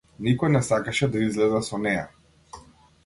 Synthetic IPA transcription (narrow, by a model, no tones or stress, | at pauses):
nikɔjnɛsakaʃɛd̪aizlɛd̪asɔnɛja̰